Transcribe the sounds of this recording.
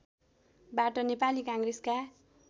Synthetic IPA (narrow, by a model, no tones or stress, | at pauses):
baʈʌnepalikãŋɡreska